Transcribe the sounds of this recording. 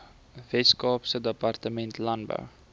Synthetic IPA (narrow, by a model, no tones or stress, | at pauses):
vɛtskɑːpsədəpɐrtəmɛntlɐnbœ̰w